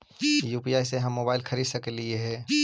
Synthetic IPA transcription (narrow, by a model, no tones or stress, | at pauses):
juːpiaːɪseɦɐmːoːbaːɪlxʰɐɾiːd̪sɐklieɦɛ̃ː